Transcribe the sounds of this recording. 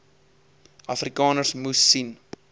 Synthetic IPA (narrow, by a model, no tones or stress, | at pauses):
ɐfrikɑːnərsmusːin